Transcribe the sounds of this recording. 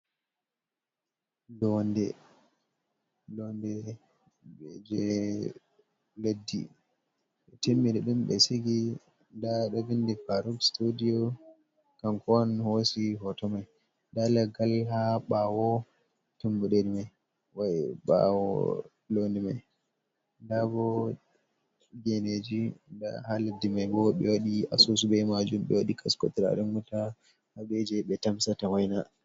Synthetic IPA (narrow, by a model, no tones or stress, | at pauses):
lɔndɛ̰ | lɔndɛ | ɓɛd͡ʒɛ | ledːḭ | ɓɛtemːidɛɗumɓɛ̰siɡi | ndaɗɔvindipaɾuɡstudijo | kamkɔnhosiɦɔtɔmaj | dalaɡalɦaɓawɔ | tumbuɗedimaj | wajɓa̰wɔ̰ | lonima̰j | dabɔ | ɡɛned͡ʒida̰haladimajbɔɓɛ̰waɗia̰sosubɛmad͡ʒumbɛ̰waɗikʰaskɔ̰tɾa̰ɗunɡuta | haɓɛd͡ʒɛɓɛtamsatawajna